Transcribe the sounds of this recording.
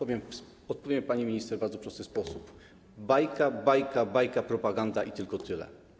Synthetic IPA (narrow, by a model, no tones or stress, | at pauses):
ɔvʲjɛmf | ɔt̪̚pɔvʲjɛmpaɲimʲiɲist̪ɛɾbaɾd̪zɔpɾɔst̪ɘspɔsup | bajkabajkabajkapɾɔpaɡand̪aʔit̪ɘlkɔt̪ɘlɛ̰